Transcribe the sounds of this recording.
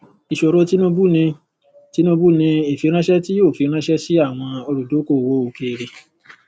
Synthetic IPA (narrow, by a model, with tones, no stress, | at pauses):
i˨ʃo˧ɾo˦ti˦nũ˦bu˦nĩ˧ | ti˦nũ˦bu˦˨nĩ˧e˨fi˧˦ɾ̃ã˦ʃɛ˦ti˦jo˦˨fi˨˧˦ɾ̃ã˦ʃɛ˦si˦a˦˨w̃ɔ̃˧o˧ɾu˨do˨˦ko˦˨wo˨˦o˨ke˨ɾe˨